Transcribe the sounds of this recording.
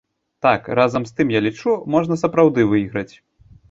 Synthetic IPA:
t̪akɾazɐmst̪ɨmjalʲit͡ʂumɔʐnɐsɐpɾawd̪ɨvɨiɣɾɐt͡sʲ

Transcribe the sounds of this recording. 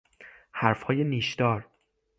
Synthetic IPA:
hæɾfhɒːje̞niːʃd̪̥ɒːɾ

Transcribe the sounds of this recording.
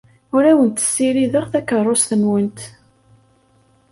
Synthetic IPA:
ʊɾæwənt̪ə̥sːiɾiðəʁθækːərˤːʊst̪ənwənt̪

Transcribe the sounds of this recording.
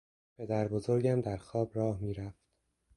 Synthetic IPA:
pʰe̞d̪æɾbozoɾɟæmd̪æɾxɒːbɾɒːhmiːɾæft̪

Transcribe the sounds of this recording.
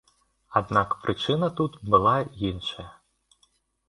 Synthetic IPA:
ad̪nakpɾɨt͡ʂɨnɐt̪ut̪bɨlˠajinʂɐjɐ

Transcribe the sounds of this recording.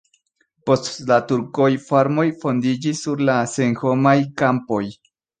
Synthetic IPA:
postlat̪uɾkojfaɾmo̞jfo̞nd̪id͡ʒisːuɾlaseŋxomajkampo̞j

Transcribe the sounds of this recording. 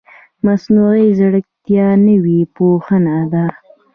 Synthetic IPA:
masnuɣizɽək̚t̪jɑnəwipoxənad̪a

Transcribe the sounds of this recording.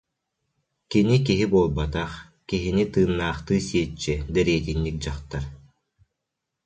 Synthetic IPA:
kinik̬iɦibuɔlˠbat̪aχ | kiɦinit̪ɯːnːaːχt̪ɯːsiɛt͡ʃːɛd̪ɛɾiɛt̪inːik̚d͡ʑaχt̪aɾ

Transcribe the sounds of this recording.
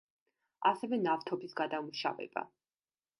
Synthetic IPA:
asɛvɛnaft̪ʰɔbisɡad̪amuʃa̰vɛ̰b̥a̰

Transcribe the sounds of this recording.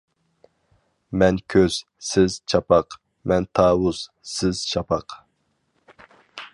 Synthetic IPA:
mɛnkʲʰøz̥ | sɪz̥t͡ʃʰɑpʰɑq | mɛnt̪ʰɑːwʊz̥ | sɪz̥ʃʰɑpʰɑq

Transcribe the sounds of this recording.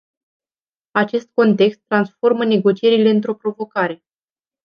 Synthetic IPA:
at͡ʃe̞st̪̚ko̞nt̪e̞kst̪ːɾansfo̞rməne̞ɡo̞t͡ʃie̞ɾile̞ɨnt̪̬ɾo̞pɾo̞vo̞kaɾe̞

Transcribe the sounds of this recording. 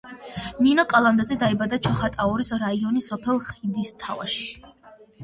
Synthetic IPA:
ninɔkʼalˠand̪azɛd̪aibad̪at͡ʃʰɔχat̪ʼaɔɾisɾaiɔnisɔpʰɛlˠχid̪ist̪ʰa̰va̰ʃi̥

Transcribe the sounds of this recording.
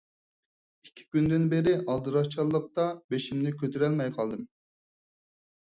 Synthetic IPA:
ikʲʰːi̥kʲynd̪ɪnbeɾɪʔɑlˠd̪ɨɾɑt͡ʃʰɑlˠːəq̚t̪ɑbeʃimnɪkʲʰøt̪ʰyɾɛlmɛjqʰɑlˠd̪ɨm

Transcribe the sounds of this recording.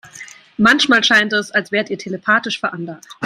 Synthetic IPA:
mançmaːlʃaɪntɛsalsv̥eːɐətiːɐtʰeləpʰaːtɪʃfɛɐʔanlaχt

